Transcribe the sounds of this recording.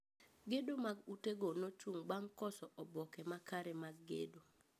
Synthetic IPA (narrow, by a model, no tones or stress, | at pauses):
ɡedomaɡuteɡonot͡ʃuŋbaŋkɔsɔʔɔbɔkɛmakaɾɛmaɡːḛdo